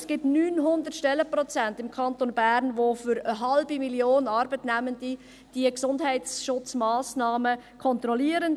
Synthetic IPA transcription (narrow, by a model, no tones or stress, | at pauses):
sɡ̥ɪtnyːnɦʊnd̪ətʃtɛlːəpɾɔt͡sæntɪmkʰɑntonbæːɾnʋofʏɾəɦɑlbimiljoːnɑɾbətnæməndi | d̥iəksʊndɦɛɪtsʃʊt͡smaːsnɑːməkʰɔnt̪rɔliəɾən